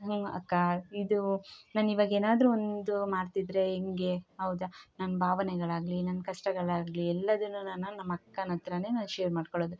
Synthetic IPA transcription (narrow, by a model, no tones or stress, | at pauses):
ɐ̰kːaid̪unaːniʋaːɡeːnaːd̪ɾuond̪umaːɽt̪id̪ɾe̞eŋɡe̞ɦɐwd̪ɐnɐnɐbʱaːʋɐnɛɡɐɭaːɡlinɐnɐkɐʂʈɐɡɐɭaːɡliɛlːɐd̪ɐnːunɐnːɐnːɐmːɐkːɐnɐt̪ɾɐne̞ːnanʃeːɾmaːɖkoɭoːd̪u